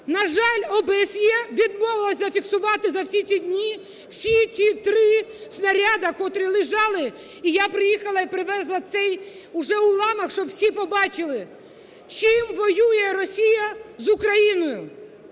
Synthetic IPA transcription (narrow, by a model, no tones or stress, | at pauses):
nɐʒɑlʲɔbsʲjɛʋʲid̪mɔʋɪlˠɐsʲɐfʲiksʊʋɑt̪ɪzɐwsʲit͡sʲsʲidʲnʲi | w̥sʲit͡sʲit̪ɾɪsnɐɾʲad̪ɐkɔt̪ɾɪlˠɪʒɑlˠɪ | ijapɾɪjixɐlˠɐipɾɪʋɛzlˠɐt̪sɛj | ʊʒɛʊlˠɑmɐxʃt͡ʃɔbwsʲipɔbɑt͡ʃɪlˠɪ | t͡ʃɪmʋɔjujɛrɔsʲijɐzʊkɾɐjinɔjʊ